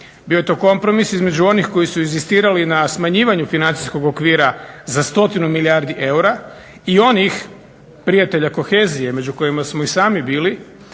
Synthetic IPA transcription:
biːojet̪o̞ko̞mpɾo̞misizme̞d͡ʑuo̞nixko̞jisuinzist̪iːɾalinasmaɲiːʋaɲufinant̪i̥sko̞ɡokʋiːɾazast̪o̞t̪inumiliaɾd̪iʔe̞uɾa | io̞nix | pɾijat̪e̞ʎako̞xe̞ːzije̞me̞d͡ʒuko̞jimasmo̞isaːmibiːli

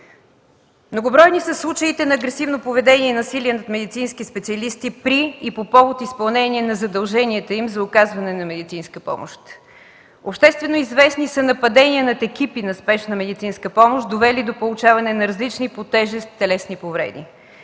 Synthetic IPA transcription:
mnoɡʊbɾɔjnisɐslˠut͡ʃəit̪ɛnɐːɡɾɛsivnopovɛd̪ɛniɛnɐsiliɛnɐt̪mɛd̪it̪sinskʲispɛt̪siɐlist̪ipɾiːpopɔvot̪ispɐlˠnɛniɛnɐzɐd̪ɐlˠʒɛniɛt̪əimzɐʊkazvɐnɛnɐmɛd̪it̪sinskəpɔ̰mo̰ʃt̪ | opʃt̪ɛst̪vɛnoizvɛsnisɐnɐpɐd̪ɛniənɐt̪ɛkʲipinɐspɛʃnɐmɛd̪it̪sinskəpɔmoʃd̪ovɛlid̪opolˠʊt͡ʃavɐnɛnɐɾɐzlit͡ʃnipot̪ɛʒɛst̪t̪ːɛlɛsnipovɾɛ̰d̪ḭ

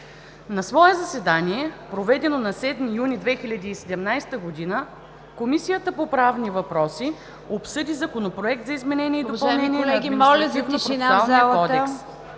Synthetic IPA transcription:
nɐsvɔɛzɐsɛd̪aniɛpɾovɛd̪ɛnonɐsɛd̪mijunʲid̪vɛxilʲɐd̪iːsɛd̪ɛmnajst̪əɡod̪inə | komisijət̪əpopɾavnivɐpɾɔsi | opsɤd̪izɐkonopɾoɛk̚t̪zɐizmɛnɛniɛid̪opɐlˠnɛnʲiɛnɛɡiɔlʲɐknoɾnalˠzəlˠkɔd̪ɛks

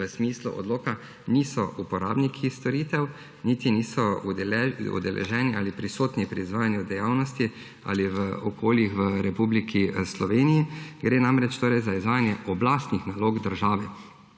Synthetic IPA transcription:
əsmiːslṵʔɔ̰d̪loːka | nisɔʔupɔɾa̰ːbnikʰist̪ɔɾiːt̪ɛw | niːt̪iniːsɔ | ṵd̪ɛlʔɛ̰ʒɛːniʔalipɾisoːt̪nipɾiːzʋaːjanjud̪ɛjaːwnɔst̪i | a̰liʋəɔkʰoːljixʋəɾɛpublikʰislɔʋeːnijiɡɾeːnamɾɛt͡ʃt̪oːɾɛjzaizʋaːjanjɛʔɔblaːst̪nixnaloːɡd̪əɾʒaːʋɛ

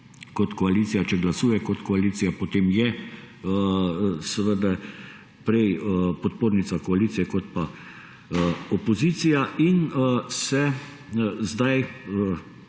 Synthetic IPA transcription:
kɔt̪kɔaliːt̪sijat͡ʃɛɡlasuːjɛkɔt̪kɔaliːt̪ijapot̪eːmjɛ | səʋəd̪a | pɾɛjpɔt̪̚poːɾnisakɔaliːt̪sijɛkɔt̪pa | ɔpɔziːt̪sijaʔinsɛ | zd̪aj

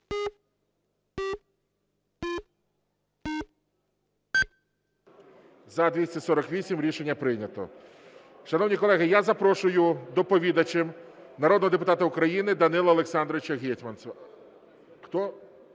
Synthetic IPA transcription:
zɐd̪ʲʋʲisʲtʲɐsɔɾɔkʋʲisʲimɾʲiʃenʲːɐpɾɪnʲɐt̪ɔ̰ | ʃɐnɔwnʲikɔlˠɛɦɪjazɐpɾɔʃʊjʊd̪ɔpɔʋʲid̪ɐt͡ʃɪmnɐɾɔd̪nɔɦɔd̪ep̬ʊt̪ɑt̪ɐʊkɾɐjinɪd̪ɐnɪlˠɐːlˠeksɑnd̪ɾɔʋɪt͡ʃɐɦʲitʲmɐnsɐ | xt̪ɔ

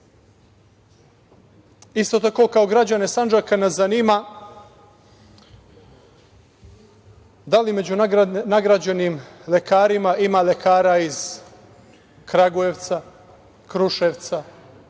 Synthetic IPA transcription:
ist̪ot̪ako̞kaoɡɾad͡ʑanesand͡ʒakanezaniːma | d̪alime̞d͡ʑunaɡɾad͡ʑenimlekaːɾimaʔimale̞kaːɾaiz | kɾaɡueʋt̪sa | kɾuʃeːʋt̪sa

